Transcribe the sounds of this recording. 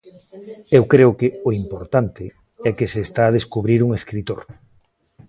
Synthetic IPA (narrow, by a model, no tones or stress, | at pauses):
ewkɾeʊkeoimpoɾt̪ant̪ɪ | ɛkɪseːst̪aːð̞eskuβɾiɾuŋeskɾit̪o̰ɾ